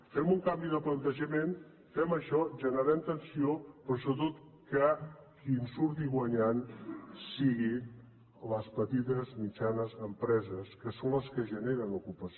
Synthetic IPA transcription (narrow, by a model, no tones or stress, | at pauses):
fɛmuŋkambiðəplənt̪əʒəmen | fɛməʃɔʒənəɾɛmt̪ənsiopɾɔsoβət̪ot̪ | kəkinsuɾt̪̬iɣwəɲansiɣi | ləspət̪it̪əzmit͡ʃanəzəmpɾɛzəskəsonləskəʒəneɾənukupəs